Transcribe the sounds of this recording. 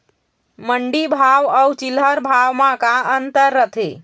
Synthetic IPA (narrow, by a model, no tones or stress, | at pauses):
məɳɖibʱaʋəwt͡ʃilɦəɾbʱaʋmãkaənt̪əɾːət̪ʰe